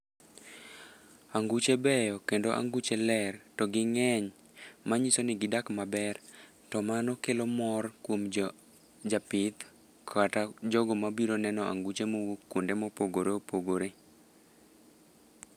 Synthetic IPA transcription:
aŋɡut͡ʃebɛjɔkendoʔa̰ŋɡut͡ʃelɛrtɔɡɪŋɛɲ | maɲisonɪɡɪdakmabɛr | tɔmanɔkelomɔrkwom | d͡ʒapɪt̪ | kʰatad͡ʒɔɡɔmabiɾonɛnɔʔa̰ŋɡut͡ʃemowokːwondemɔpoɡoɾeopoɡoɾe

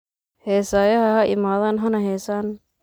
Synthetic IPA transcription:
hɛːsaːjɐɦɐɦɐʔɪ̰maːðaːnɦɐnɐɦɛːsaːn

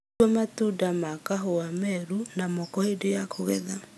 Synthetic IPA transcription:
ɔmatudamakaɦoamɛɾunamɔkɔedejakʰoɣɛ̰ða

